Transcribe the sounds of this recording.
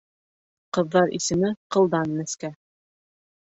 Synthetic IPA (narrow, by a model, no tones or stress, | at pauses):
qɤ̆ðːɑɾʔḭsɘ̆mɘqɤ̆lˠd̪ɑnːɘ̆skæ